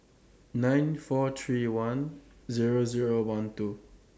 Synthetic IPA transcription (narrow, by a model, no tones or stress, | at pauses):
nãjnfɔt̪ʰɹiwãn | ziɹoziɹowãntu